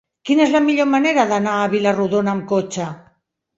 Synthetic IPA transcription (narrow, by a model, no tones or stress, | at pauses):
kinaezlamiʎomaneɾaðanaːβilaruðonamkot͡ʃa